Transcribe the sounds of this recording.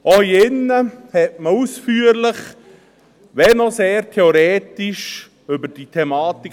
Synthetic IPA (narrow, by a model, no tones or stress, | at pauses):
ʔɔhiɪnːəhɛt̚məusfyːəɾlɪχ | ʋɛnɔseːɾtʰɛoɾeːtiʃ | ʏbəɾd̥itʰɛmɑːt̪i